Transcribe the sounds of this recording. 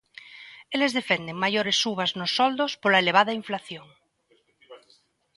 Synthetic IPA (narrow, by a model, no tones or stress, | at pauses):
elezðefend̪eŋmaʝoɾesuβaznosːɔld̪ospolaeleβ̞aðaiɱflaθjoŋ